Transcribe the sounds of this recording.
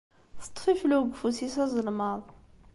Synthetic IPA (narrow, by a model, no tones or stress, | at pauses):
θə̥t̪ˤːfifluɡfusisæzˤəlmɑðˤ